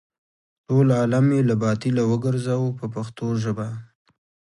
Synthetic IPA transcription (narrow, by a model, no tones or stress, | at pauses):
ʈolɑlamelabɑt̪ilawəɡəɾzawpəpaxt̪oʒəba